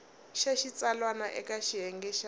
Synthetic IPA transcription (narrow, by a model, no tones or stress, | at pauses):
ʃaʃit͡sʼalwanaʔɛkʼaʃiɦɛŋɡɛʃa